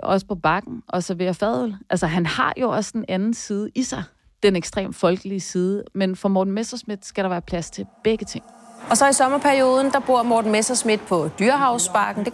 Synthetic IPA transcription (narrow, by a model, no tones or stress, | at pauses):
ʔɒ̽sə̥pʰɒ̽b̥ɑ̈ɡ̥n̩ʔɒ̽sæɐʋe̝ːɐfɛð̰ˠl̩ʔælsɐɦænhɑ̈jo̝ʔɒ̽sd̥enænn̩siːð̞ˠəʔisɑ̈ɪ | d̥eneɡ̥sd̥ʁḛːmfɒ̽lɡ̥əliəsiːð̞ˠəmenfɒ̽mɒːd̥n̩mesɐsmid̥sɡ̥æɾ̥ɑ̈ʋæːɐpʰlæst͡sʰe̝lb̥eɡ̥ət͡sʰe̝ŋ̰ɒ̽sɒ̽isɒ̽mɐpʰæɐio̝ːð̞ˠən̩d̥ɑ̈b̥o̝ɐ̰mɒːd̥n̩mesɐsmid̥̚pʰɒ̽d̥yɐɦɑ̈ʊsb̥ɑ̈ɡ̥n̩d̥e